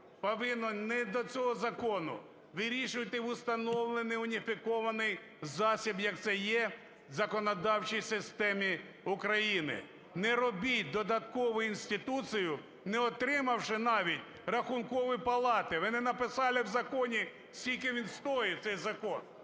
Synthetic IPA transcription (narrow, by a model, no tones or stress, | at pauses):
pɔʋɪnːɔnɛd̪ɔt͡sʲɔɦɔzɐkɔnʊ̰ | ʋɪɾʲiʃʊʋɐt̪ɪʊst̪ɐnɔwlˠenɪjʊnʲifʲikɔʋɐnɪj | zɑsʲibjɐk̚t̪sɛjɛ | zɐkɔnɔd̪ɑwt͡ʃijsɪst̪ɛmʲi | ʊkɾɐjinɪ̰ | nɛɾɔbʲit̚ʲd̪ɔd̪ɐt̪kɔʋʊinsʲt̪ʲɪt̪ut͡sʲijʊ | nɛɔt̪ɾɪmɐwʃɪnɑʋʲitʲ | rɐxunkɔʋɪpɐlˠɑt̪ɪʋɪnɪnɐpɪsɑlˠɪwzɐkɔnʲi | sʲtʲilʲkɪʋʲinst̪ɔjɪt̪sɛjzɐkɔn